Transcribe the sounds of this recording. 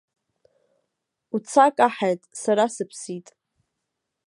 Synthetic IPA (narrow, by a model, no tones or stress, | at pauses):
ut͡sʰakʼaħajtʼsaɾasɨpʰsitʼ